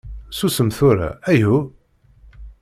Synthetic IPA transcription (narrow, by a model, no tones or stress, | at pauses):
susəmθuɾa̰æju